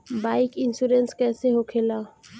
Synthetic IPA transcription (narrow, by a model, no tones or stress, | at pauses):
baːɪkɪnsuɾənskɛːseɦokʰeːlaː